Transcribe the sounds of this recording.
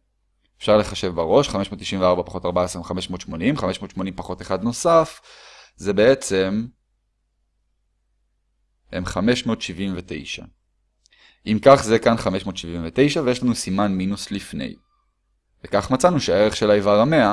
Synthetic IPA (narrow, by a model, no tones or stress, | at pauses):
efʃaʁle̞χaʃe̞vbaʁo̞ʃχame̞ʃmo̞ːt̪ːiʃiɱveaʁbapḁχo̞taʁbaesʁemχame̞ʃmo̞ːtʃmo̞nimχame̞ʃmo̞ːt̪ʃmo̞nimpaχo̞teχad̪no̞saf | ze̞be̞et͡se̞m | hemχameʃmot̪ʃivimvet̪e̞̰jʃa̰ | ʔimkaχzekanχameʃmo̞ːt̪ʃivimvet̪e̞jʃavejeʃ̬lanusimanminuslifnḛj | vekaχmat͡sanuʃeae̞ʁeχʃelajvaʁame̞a